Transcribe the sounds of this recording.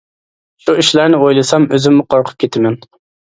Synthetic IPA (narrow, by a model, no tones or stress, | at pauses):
ʃuiʃlæɾnɪojlˠɨsɑmøzymːuqʰoɾqʰʊ̥p̚kʲʰet̪ʰɪmɛn